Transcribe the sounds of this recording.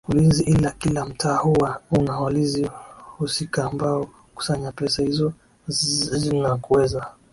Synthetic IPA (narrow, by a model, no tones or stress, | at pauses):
ulinziʔilakilam̩tʰaːhuwaunawalizihusikaːmbaɔ | ku̥saɲapɛsahizɔ | zinakuwɛza